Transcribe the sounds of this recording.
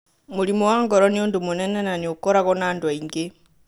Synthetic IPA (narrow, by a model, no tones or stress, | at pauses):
muɾimowaːŋɡɔɾɔnioːndumonɛnenaniokɔɾaɣɔnaːndwaiŋɡe